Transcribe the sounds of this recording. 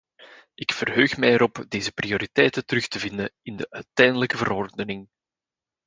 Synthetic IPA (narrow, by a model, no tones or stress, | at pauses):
ʔɪkfərɦøːxmɛjəɾɔpdeːzəprioːɾitɛːjtətəɾɵxtəvɪndəɪndəʔœɥtɛjndələkəvəɾɔrdənɪŋ